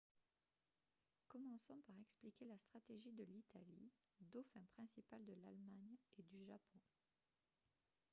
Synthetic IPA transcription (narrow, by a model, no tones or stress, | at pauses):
kɔmɑ̃sɔ̃paʁɛksplikʲelast̪χat̪eʒid̪əlit̪ali | d̪ofɛ̃pχɛ̃sipald̪əlalmaɲed̪yʒapɔ̃